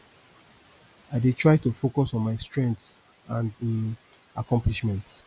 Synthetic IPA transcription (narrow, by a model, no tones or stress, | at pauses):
aɪdetʰɹaɪtufokɔsɔ̃nmaɪstɹɛ̃nts | ãn | akɔ̃mpliʃmɛ̃nt